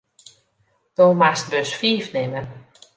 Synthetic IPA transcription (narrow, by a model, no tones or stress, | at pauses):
d̥omast̚bøsfiːfnɪmə